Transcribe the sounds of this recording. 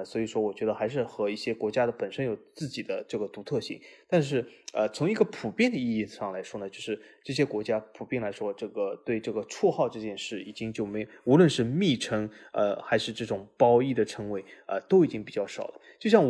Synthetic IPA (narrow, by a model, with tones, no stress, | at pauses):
swɔ˧˥i˨˩ʂwɔ˥wɔ˨˩t͡ɕɥɛ˧˥d̪ə˧xa˧˥ɪʂ̬ɻ̩˥˩xɤ˧˥i˥˩ɕjɛ˥kwɔ˧˥t͡ɕja˥d̪ə˨pə˨˩nʂə˥njo˨˩ʊt͡sɹ̩˥˩t͡ɕi˨˩d̪ə˦ʈ͡ʂɤ˥˩ɡə˩t̪u˧˥t̪ʰɤ˥˧ɕḭ˥˩ŋt̪a˥˧nʂ̬ɻ̩˥˩ə˧t͡sʰʊ˧˥ŋi˧˥ɡə˧pʰu˨˩pjɛ˥˩nd̪ə˩i˥˧i˥˧˩ʂɑ˥˩ŋla˧˥ɪʂwɔ˥nə˨t͡ɕo˥˧ʊʂɻ̩˥˧ʈ͡ʂɤ˥˩ɕ̬jɛ˥kwɔ˧˥t͡ɕja˥pʰu˨˩pjɛ˥˩nla˧˥ɪʂwɔ˥ʈ͡ʂɤ˥˩ɡə˩t̪we˥˧ɪʈ͡ʂɤ˥˩ɡə˩ʈ͡ʂʰwɔ˥˧xɑ˥˧ʊʈ͡ʂɤ˥˧t͡ɕjɛ˥˧nʂɻ̩˥˩i˨˩t͡ɕi˥ŋt͡ɕjo˥˩ʊme˧˥jo˨˩u˧˥lwə˥˧nʂɻ̩˥˧mi˥˩ʈ͡ʂʰɤ˧˥ŋə̰˧xa˧˥ɪʂɻ̩˥˧ʈ͡ʂɤ˥˩ʈ͡ʂʊ˨˩ŋpɑ˥ʊi˥˩d̪ə˩ʈ͡ʂʰɤ˧˥ŋwe˧˥ɪə̰˧t̪o˥ʊi˨˩t͡ɕi˥ŋpi˨˩t͡ɕjɑ˥˩ʊʂɑ˨˩ʊlə˦t͡ɕjo˥˧ʊɕjɑ˥˩ŋ